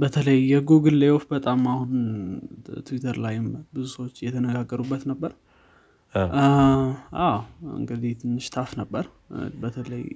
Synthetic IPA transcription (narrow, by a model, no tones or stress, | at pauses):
bət̪ʰələjːɛɡuɡɨlːejofbət̪ʼamahun | t̪ʰɨwit̪ʰəɾlajɪmbɨzusəwot͡ʃːjɛt̪ʰənəɡaɡːəɾubːət̪nəbːəɾ | ʔawɨ̰ŋɡɨd̪iht̪ʰɨnːɨʃt̪ʰafnəbːəɾ | bət̪ʰələj